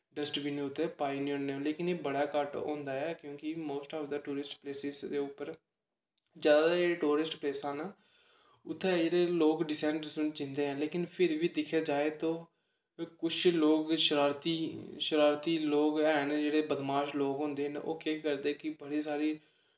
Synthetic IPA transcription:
ɖəsʈbiːnẽːʊt̪ʰːeːpaːinĩːɦõːneleːkɪneːbəɽaːkəʈõ̰ːnd̪aːɛːkjõːkɪmoːsʈɔːfd̪əʈuːɾɪsʈpleːsɪsd̪eːʊpːəɾ | d͡ʒjaːd̪ad͡ʒeːeːʈuːɾɪsʈpleːsãːnaː | ʊt̪ʰːɛːd͡ʒeːɽeːloːkɖɪsɛ̃ːɳʈsʊ̃ːt͡ʃɪ̃nd̪eːɦɛ̃ːleːkɪnpʰɪɾʋiːd̪ɪkʰjaːd͡ʒaːeːt̪õː | kʊt͡ʃʰloːkʃəɾaːɾt̪iːʃəɾaːɾt̪iːloːkɛːnd͡ʒeːɽeːbəd̪maːʃloːkɦõːnd̪eːno̰ːkeːkəɾd̪eːkɪbəɽiːsaːɾiː

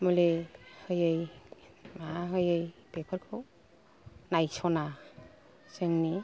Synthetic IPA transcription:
mɔlehɯjɯj | maɦɯjɯjpepʰaɾkʰo | najsɔna | sɯŋni

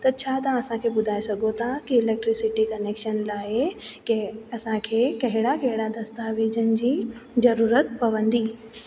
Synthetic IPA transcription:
t̪ɐɾt͡ɕʰat̪ãɐsãkʰebʊd̪ʱaːesɐɡʱot̪ʰakiɪlek̚ʈɾɪsɪʈikɐneːkʃənlaːekɐsãkʰekɐɦɪɽakɐɦɪɽad̪ɐst̪aʋeːd͡ʑənɪ̆d͡ʑiːzɐɾuːɾət̪̚pɐʋə̃nd̪iː

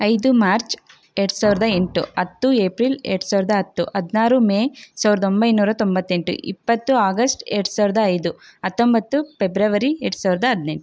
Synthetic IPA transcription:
ɐjd̪umaːɾt͡ʃ | eːʈsaːʋiɾɐd̪ɐeɳʈuɐt̪ːueːpɾilḛːʈsaːʋɾɐd̪ɐɦɐt̪ːuʔɐd̪naːɾumeːsaːʋiɾɐd̪o̞mbɐjnuːɾɐt̪o̞mbɐt̪ːe̞ɳʈṵʔḭpːɐt̪ːuaːɡɐsʈeːʈsaːʋiɾɐd̪ɐːjd̪uɐt̪ːombɐt̪ːupebɾɐʋɐɾieːʈsaːʋiɾɐd̪ɐɦɐd̪ne̞ɳʈu

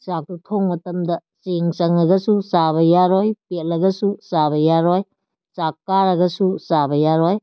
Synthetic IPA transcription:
sak̚tutʰoŋmɐtɐmdɐseŋsɐŋɐɡɐsusaβɐjaɾojpetlɐɡɐsusabɐjaɾɔj | sakːaɾɐɡɐsusabɐjaɾɔj

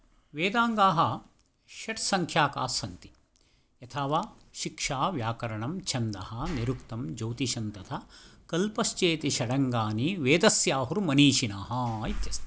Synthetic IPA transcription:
ʋeːd̪aːŋɡaːɦɐ | ʃɐʈsɐŋkʰjaːkaːsɐnt̪i̥ | ɐt̪ʰɐʋaː | ʃikʂaːʋjaːkɐɾɐɳɐmt͡ʃʰɐnd̪ɐ̰hɐniɾukt̪ɐmd͡ʒɐwt̪iʃɐnt̪ɐt̪ʰɐkɐlpɐst͡ʃeːt̪iʃɐɽɐŋɡaːniʋeːd̪ɐsjaːɦuɾumɐniːʃinaːɦɐit̪jɐst̪

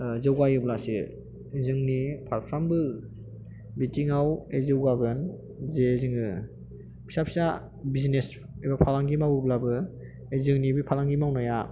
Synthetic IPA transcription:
zɯwajɯblasi | zɯŋnipʰaɾpʰɾambɯ | bitiŋawezɯwɡaɡɯn | zezɯŋɯ | bi̥sapʰsa | bizines | ebapʰalaŋɡimawɯblabɯ | ezɯŋnibipʰalaŋɡimawnaja

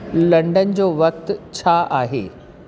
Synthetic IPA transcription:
lɐ̃ɳɖən̆d͡ʑoːʋɐk̚t̪t͡ɕʰaːʔaːɦḛː

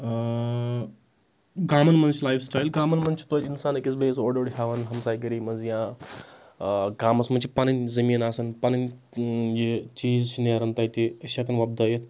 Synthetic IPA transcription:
ɡaːmɐnmɐnt͡ʃilaːjfsʈaːjilɡaːmɐnmɐnt͡ʃʰi̥t̪oinsaːnekʲit͡s̬besoːɖoɽɦʲaʋɐnɦɐmsaːjɡɐɾimɐnzjã | ɡaːmɐsmɐnt͡ʃʰipanɐnʲzɐmiːnaːsɐnpanɐn | jet͡ʃiːzt͡ʃʰineɾɐnt̪aːjt̪iɐɕakɐnʋɐb̚d̪ɐjet̪

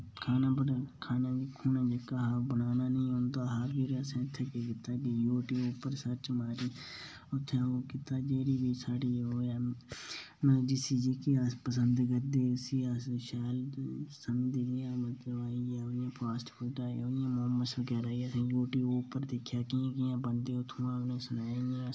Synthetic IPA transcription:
kʰaːnaːbəkʰaːnaːkʰuːnãːd͡ʒəkːaːɦəɾbənaːnaːnĩːɦõːnd̪aːɦəɾbiːɾəsẽːʊt̪ʰːeːkekɪt̪ːaːkijoːʈiːoːpəɾsəɾt͡ʃmaːɾiː | ʊt̪ʰːeoːkɪt̪aːd͡ʒeːɽiːbiːsaːɖiːoːjaː | md͡ʒɪsiːd͡ʒikiaːspəsənd̪ɡəɾd̪eːsiːaːsʃɛːlsənd̪ijãːmət̪ɾəʋaːiːjajãːpʰaːsʈfʊlʈ̪a̰ːoːjãːmomːəsəɡɛːɾaːiəsẽːjoːʈiːoːpəɾd̪ekʰːjaːkiãkɪjãːbənd̪eːʊt̪ʰũãːnẽːsʊnaːiẽ

